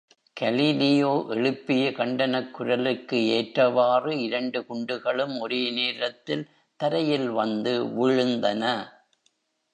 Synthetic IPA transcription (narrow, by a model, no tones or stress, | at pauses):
kɐlilɪjoːʔɛɻɯpːɪjɐkɐɳɖɐnɐkːʊɾɐlɯkːɯeːʈrɐʋaːrɯɪɾɐɳɖɯkʊɳɖɯɣɐɭɯmɔɾeːneːɾɐt̪ːɪl | t̪ɐɾɐjɪlʋɐnd̪ɯʋɪɻɯnd̪ɐnɐ